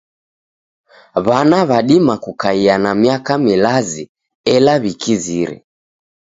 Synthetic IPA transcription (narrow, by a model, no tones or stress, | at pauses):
βanaβaɗimakukaianamiakamilazi | ɛlaβikiziɾɛ̰